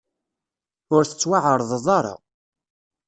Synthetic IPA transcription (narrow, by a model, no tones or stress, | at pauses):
ʊɾθə̥t͡sːwaʕəɾˤðˤðˤɑɾˤɑ̰